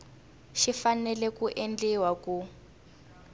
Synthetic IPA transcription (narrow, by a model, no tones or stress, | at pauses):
ʃifanɛlɛkuʔend͡ɮiwaku